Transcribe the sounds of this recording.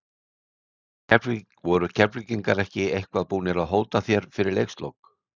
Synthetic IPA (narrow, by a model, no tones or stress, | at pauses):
ɛ | vɔɾʏcʰɛpliciŋkaɾɛhcɪejhkvaðpuːnɪɾaðɦoːwt̪aθjɛɾ̥fɪɾɪɾlḛjkst̪lo̰wk